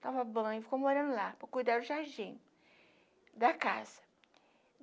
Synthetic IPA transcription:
t̪avɐbɐ̃ɪfi̥komoɾɐ̃nd̪ʊlapɾɐkujd̪aɾʊʒaɾd͡ʒĩ | d̪ɐkaz̥ɐ̥

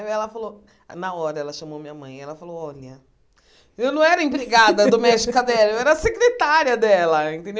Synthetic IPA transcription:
ɛlɐfalo | nɐɔɾɐɛlɐʃɐ̃momĩɲɐmɐ̃j̃ɛlɐfalowɔʎɐ | ewnɐ̃w̃ɛɾɐĩpɾeɡad̪ɐd̪omɛʃt͡ʃikɐd̪ɛlɐewɛɾɐsekɾet̪aɾiɐd̪ɛlɐẽnt̪ẽd̪e

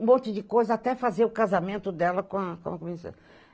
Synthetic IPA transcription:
ũmõnt͡ʃɪd͡ʒɪkojzɐat̪ɛfazeɾʊkazamẽnt̪ʊd̪ɛlɐkõɐkõɐkomisɐ̰

